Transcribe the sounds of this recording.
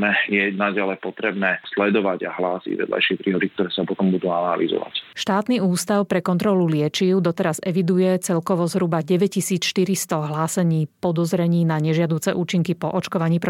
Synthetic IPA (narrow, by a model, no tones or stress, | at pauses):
nɛjɛnaɟalɛpɔt̪ɾɛbnɛːslɛd̪ɔʋaɟa̰ɦlaːsḭɟʋɛ̰d̪lʔa̰jʃɪɛpɾiːɦɔd̪ik̚t̪ɔɾɛːsapɔt̪ɔmbud̪uːanalḭzɔ̰ʋa̰cʃt̪aːt̪niuːst̪aʊpɾɛkɔnt̪ɾɔlulɪɛt͡ʃiʊd̪ɔt̪ɛɾazɛʋid̪ujɛt͡sɛlkɔʋɔzɦɾubaɟɛʋɛc̚cːisiːt͡sʃt̪iɾist̪ɔɦlaːsɛɲiːpɔd̪ɔzɾɛɲiːnaɲɛʒɪad̪uːt͡sɛʔuːt͡ʃiŋkipɔʔɔt͡ʃkɔʋaɲiːpɾ